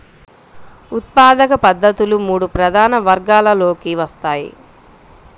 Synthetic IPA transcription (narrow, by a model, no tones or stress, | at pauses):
ut̪̚paːd̪ɐkɐpɐd̪ːɐt̪ulumuːɽupɾɐd̪ʱaːnɐʋɐɾɡaːlɐlo̞ːkiʋɐst̪aːjḭ